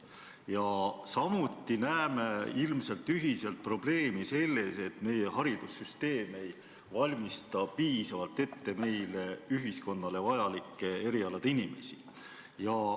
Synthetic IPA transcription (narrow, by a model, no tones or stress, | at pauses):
jɑsɑmut̪ːinæeme̞ilmse̞lt̪ːˑyɦise̞lt̪̚pro̞b̥le̞ːmise̞lːe̞se̞t̪me̞je̞ɦɑɾid̪̥usːyst̪e̞ːme̞j | vɑlʲmist̪ɑpiːsɑvɑlt̪e̞t̪ːe̞me̞jleyɦisko̞nːɑle̞vɑjɑlikːˑe̞e̞ɾiɑlɑd̪̥inime̞̰si | jɑ